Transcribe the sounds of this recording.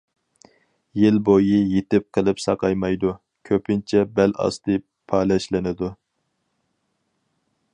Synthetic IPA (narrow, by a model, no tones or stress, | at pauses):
jɪlbojijet̪ɪp̚qʰəlˠɨpsɑqʰɑjmɑjd̪u | kʲʰøpʰɪnt͡ʃʰɛbɛlɑ̰st̪ɨ | pʰɑːlɛʃlɪnɪd̪u